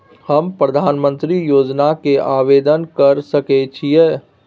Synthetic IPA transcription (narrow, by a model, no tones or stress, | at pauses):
həmpɾəd̪ʱaːnmə̃nt̪ɾijoːd͡ʒnakeʔaʋed̪ənkəɾsəkɛt͡ʃʰije